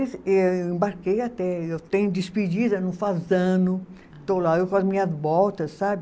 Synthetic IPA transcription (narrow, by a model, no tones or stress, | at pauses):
sewewẽmbaɾkejat̪ɛewt̪ẽɲʊd̪ispid͡ʒid̪ɐnɐ̃fazɐ̃nʊ | t̪olaewkaɐzmĩɲɐzbɔlt̪ɐssabɪ